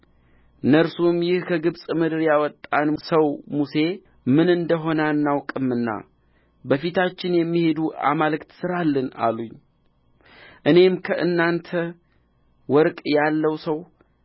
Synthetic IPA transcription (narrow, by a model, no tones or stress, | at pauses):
nəɾsumjɪhkʰəɡɨβsʼmɨd̪ɨɾjawɔt̪ʼːansəwmuse̞ | mɨnɨnd̪əɦo̞nanːawkʼɨmːɨnːa̰ | bəfit̪ʰat͡ʃːɪnjɛmːihe̞d̪ua̰malɨkt̪sɨɾalːəna̰luɲː | ʔɨne̞mkʰəʔɨnːant̪ʰə | wɔɾkʼjalːəwsəw